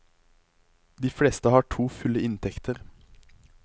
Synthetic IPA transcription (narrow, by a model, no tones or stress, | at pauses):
d̪iːfɽɛːst̪əhɑːʈʰuːfʉləɪnt̪ʰɛkt̪ʰəʁ